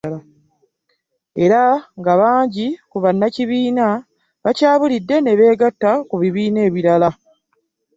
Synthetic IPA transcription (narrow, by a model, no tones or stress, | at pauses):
a | e̞ɾaŋɡaβaːɲɟikuβanːaciβiːna | βacaːβulidːe̞ne̞βe̞ːɡatːakuβiβiːne̞ːβiɾala